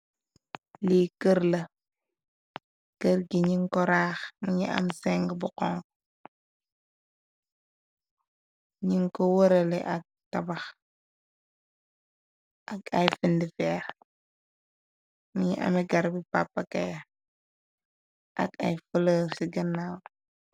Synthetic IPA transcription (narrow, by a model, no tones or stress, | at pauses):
likəɾlə | kəɾɡiɲiŋkɔɾaːxmiɲia̰msɛŋɡbuqɔŋk | ɲiŋkowəɾəlḛʔa̰k̚tabax | ʔakajfindifɛːɾ | miɲḭʔa̰miɡaɾbipa̰pːaka̰ja | ʔa̰ka̰jfələːsiɡənaːw